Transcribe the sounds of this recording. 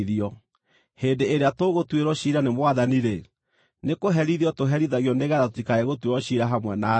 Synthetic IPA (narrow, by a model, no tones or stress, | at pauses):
ðiɔ | heːndeeɾeatoɣotweɾɔɕiːɾanemwaðaniɾe | nekoɦɛɾiðiɔtoɦɛɾiðaɣiɔneɣɛɾatotikaeɣotweɾɔɕiɾaɦamwɛna